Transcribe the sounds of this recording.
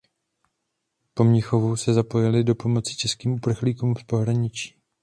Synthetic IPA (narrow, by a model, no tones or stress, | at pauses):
po̞mɲɪxo̞vusɛzapo̞jɛlɪdo̞po̞mo̞t͡sɪ̥t͡ʃɛskiːmʔupr̩xliːkuːmfpo̞ɦɾaɲɪt͡ʃi̥ː